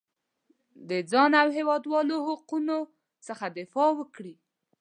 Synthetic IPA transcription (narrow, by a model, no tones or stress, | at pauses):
d̪əd͡zɑnawɦewɑd̪wɑlohʊquno | səxad̪ɪfɑwəkɽi